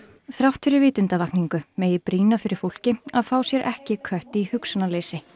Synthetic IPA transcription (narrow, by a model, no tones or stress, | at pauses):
θɾawht̪fɪɾɪɾvɪːt̪ʏnt̪avahkniŋkʏmeːjɪpɾiːnafɪɾɪɾ̥fowl̥cɪaðfaːwsjɛɾʔɛhcɪkʰœht̪ihʏksʏnaleːjsɪ